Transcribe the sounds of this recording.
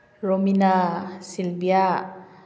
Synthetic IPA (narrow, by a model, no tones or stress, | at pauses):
ɾɔminasilbija